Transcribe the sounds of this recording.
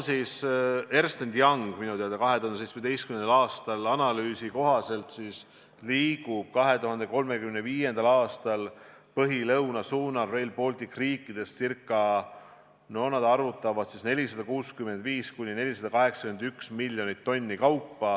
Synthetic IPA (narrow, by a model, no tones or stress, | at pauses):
siːse̞rst̪end̪jɑŋɡ̥minut̪iɑd̪ɑkɑɦe̞t̪uhɑnsejtsmed̪ejst̪kymnenɑlɑːst̪ɑlɑnɑlyːsiko̞ɦɑse̞lt̪siːs | liːɡub̥̚kɑɦe̞t̪uɦɑnd̪e̞ko̞lme̞kymneviːje̞nd̪̥ɑlɑːst̪ɑl | pɤɦilɤwnɑsuːnɑrve̞jlpo̞ːlt̪ikriːkːˑid̪̥e̞st̪sirkːˑɑ | nonɑd̪̥ɑrvut̪ːˑɑvɑd̪̥sisne̞lʲisɑd̪̥ɑkuːskyme̞nd̪viːskunʲːine̞lʲisɑd̪̥ɑkɑɦe̞ksɑ̥kymend̪yksmilʲjo̞nit̪ːo̞nʲːikɑwpːɑ